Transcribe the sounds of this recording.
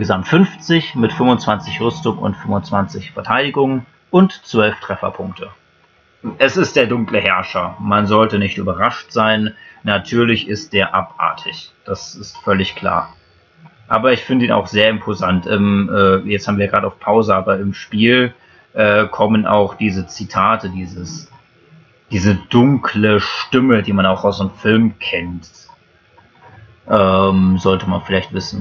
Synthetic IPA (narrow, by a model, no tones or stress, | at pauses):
ɡəzamtfʏnft͡sɪçmɪtfʏmvʊnt͡sv̥ant͡sɪçʁʏstʊŋʊ̰ntfʏmʊnt͡sv̥ant͡sɪçfɛɐtʰaɪdɪɡʊŋən | ʔʊntt͡sv̥œlftʁ̥ɛfɐ̰pʰʊŋk̚tʰə | ʔɛsɪst̚d̥eːɐdʊŋkləhɛɐʃɐmanzɔltənɪçtʔy̰ːbɐʁaʃtz̥aɪnːatʰyːɐlɪçʔɪst̚d̥eːɐʔapʔa̰ːɐtʰɪçd̥asɪstfœlɪçkl̥a̰ːɐ | ʔa̰ːbɐɪçfɪndəiːna̰ʊxz̥eːɐɪmpʰozantʰʔɛmʔɛːjɛt͡shabmviːɐɡʁaːdəaʊfpʰaʊzəʔaːbɐɪmʃpiːl | ʔɛːkʰɔmənʔa̰ʊxd̥iːzət͡sitʰaːtʰədiːzəs | d̥iːzəd̥ʊŋkʰləʃtɪmədiːmanaʊxaʊsdeːmfɪlmkʰɛnt | ʔɛmzɔltəmanfɪlaɪçtv̥ɪsn̩